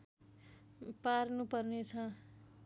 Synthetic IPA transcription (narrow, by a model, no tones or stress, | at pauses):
parnupʌrnet͡sʰʌ